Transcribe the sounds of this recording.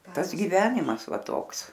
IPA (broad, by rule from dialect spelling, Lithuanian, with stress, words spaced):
ˈtɐs ɡʲɪˈʋʲæːnʲɪmɐs ˈʋɐ ˈtoːks